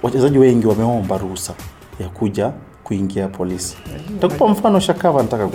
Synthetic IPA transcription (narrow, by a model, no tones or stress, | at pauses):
wʔat͡ʃɛzaʄiwɛŋɡiwamɛɔmbaɾusa | jakuʄa | kuiŋɡiapʰɔlisi̥takupam̩fanɔʃakavanataka